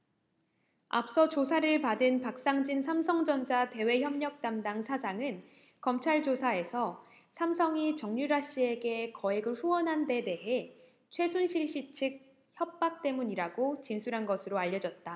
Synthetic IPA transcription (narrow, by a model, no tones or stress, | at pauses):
a̰p̚s͈ʌt͡ɕosʰaɾɯɭpadɯnpak̚s͈aŋd͡ʑinsʰamsʰʌŋd͡ʑʌnd͡ʑate̞we̞çjʌmɲʌk̚t͈amdaŋsʰad͡ʑaŋɯn | kʌmt͡ɕʰaɭd͡ʑosʰae̞sʰʌ | sʰamsʰʌŋit͡ɕʌŋɲuɾaɕ͈ie̞ɡe̞kʌeɡɯɭɸuwʌnɦande̞de̞ɦe̞ | t͡ɕʰwe̞sʰunɕʰiɭɕ͈it͡ɕʰɯk̚ | çjʌp̚p͈ak̚t͈e̞muɲiɾaɡot͡ɕinsʰuɾɦanɡʌsʰɯɾoaʎːʌd͡ʑʌt̚t͈a